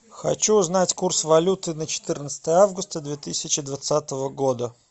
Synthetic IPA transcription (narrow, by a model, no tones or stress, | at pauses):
xɐ̰t͡ɕuːznatʲkursvɐlʲut̪ɨnət͡ɕɪ̥t̪ɨrnət̪sə̥t̪əjəavɡʊst̪əd̪vʲet̪ɨsʲɪt͡ɕɪd̪vɐt̪sat̪əvəɡod̪ə